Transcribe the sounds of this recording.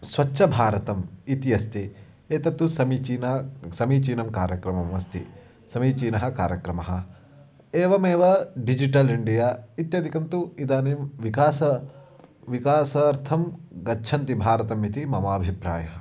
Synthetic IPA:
sʋɐtːʃʰɐbʱaːɾɐt̪ɐmit̪ijɐst̪i | eːt̪ɐt̪ːusɐmiːt͡ʃiːnɐɐsɐmiːt͡ʃiːnɐmkaːɾjɐkɾɐmɐmʋɐst̪ḭ | sɐmiːt͡ʃiːnɐɦɐ̆kaːɾjɐkɾɐmɐɦɐ | eːʋɐmeːʋɐɖid͡ʒiʈɐliɳɖijaːit̪jɐd̪ʱikɐmt̪uid̪aːnimʋikaːsɐ | ʋikaːsɐɐɾt̪ʰɐmɡɐtːʃʰɐnt̪ibʱaːɾɐt̪ɐmit̪imɐmaːbʱipɾa̰ːjɐɦɐ

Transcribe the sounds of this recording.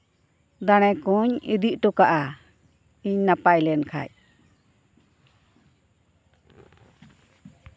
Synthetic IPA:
d̪aɽ̃ɛkuɲḭd̪iʔʈɔkaʔa | iɲnapajlɛnkʰa̰j̚

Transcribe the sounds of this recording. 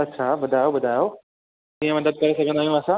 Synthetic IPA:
ɐtːʃʰabɐd̪ʱaːjobɐd̪ʱajo | k̪ĩɦə̃mɐd̪əd̪̚kɐɾesɐɡʱə̃nd̪aːɦjũasã

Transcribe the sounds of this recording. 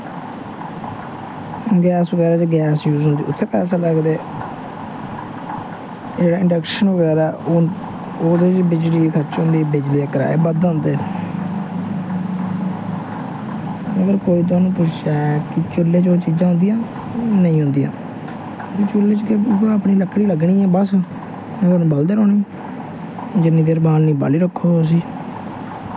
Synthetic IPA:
ɡɛːsʋəɡɛːɾaːt͡ʃɡɛːsjuːzɦʊnd̪iːʊt̪ʰːeːkɛːsãːləɡd̪eː | d͡ʒeːɽaːɪɳɖəkʃənʋəɡɛːɾaː | oːd̪et͡ʃbɪd͡ʒliːkʰət͡ʃɦʊ̃nd̪iːbɪd͡ʒleːkəɾa̰ːḛːbəd̪ʊ̃nd̪eː | əɡəɾkoːiːt̪̬ʊaːnũːpʊʃɛːkɪt͡ʃʊlːeːt͡ʃoːt͡ʃiːd͡ʒãːɦʊ̃nd̪ijãː | nəĩːɦʊ̃nd̪ijã̰ː | ɾit͡ʃʊleːt͡ʃkeəpɳiːləkʰːɽiːləɡɳiːɛ̃ːbəs | aːnũːbəld̪eːɾoːnĩː | d͡ʒənĩːd̪eːɾbaːlnĩːba̰ːliːɾəkʰːoːs̬iː

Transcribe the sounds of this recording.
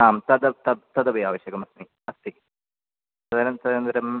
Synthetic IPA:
aːmt̪ɐd̪ɐt̪ɐt̪ːɐd̪ɐʋijaːʋɐɕjɐɡɐmɐsmi | ɐst̪i | t̪ɐd̪ɐnɐnt̪ʰɐd̪ɐɾɐnd̪ɐɾɐm

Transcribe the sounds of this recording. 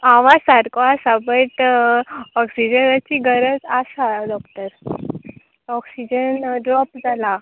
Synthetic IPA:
aʋãsaɾkoasabəʈ | ɔksid͡ʑənat͡ɕiɡʱəɾəd͡zasadɔkʈəɾ | ɔksid͡ʑənɖɾɔpd͡zʱala

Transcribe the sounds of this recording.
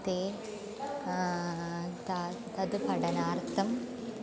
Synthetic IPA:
t̪eː | t̪a | t̪ɐd̪upɐɽɐnaːɾt̪ɐm

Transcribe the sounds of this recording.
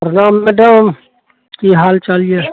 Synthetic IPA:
ɾnaːmːeɖəm | kiɦaːlt͡ʃalies

